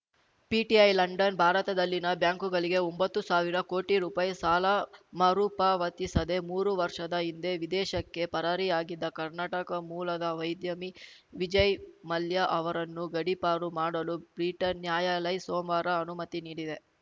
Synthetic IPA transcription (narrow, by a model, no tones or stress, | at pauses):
piːʈiɐjlɐɳɖɐnbʱaːɾɐt̪ɐd̪ɐlːinɐbjaːŋkuɡɐɭiɡe̞ombɐt̪ːusaːʋiɾɐko̞ːʈiɾuːpaːjsaːlɐmɐɾuːpaːʋɐt̪isɐd̪e̞muːɾuʋɐɾʂɐd̪ɐind̪e̞ʋid̪ɛːʃɐkːe̞pɐɾɐɾiaːɡid̪ːɐkɐɾnaːʈɐkɐmuːlɐd̪ɐʋɐjd̪jɐmiʋid͡ʒɐjmɐljɐʔɐʋɐɾɐnːuɡɐɽipaːɾumaːɽɐlubɾiʈɐnːjaːjalɐjsoːmʋaːɾɐɐnumɐt̪iniːɽid̪e̞